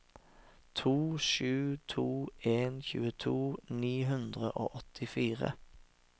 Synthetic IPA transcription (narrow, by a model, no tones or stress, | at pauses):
t̪ʰuːʃʉːt̪ʰuːeːnçʉːət̪ʰuːniːɦʉnd̪ʁəʔo̰ːʔɔt̪ʰɪfiːʁə̰